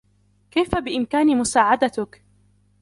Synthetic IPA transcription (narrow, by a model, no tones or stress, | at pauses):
kajfabɪʔɪmkaːnimʊsaːʕad̪at̪ʊk